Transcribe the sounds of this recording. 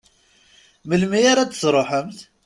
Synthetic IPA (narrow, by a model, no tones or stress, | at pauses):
məlmiaɾat͡sːə̥sɾˤoħəmθ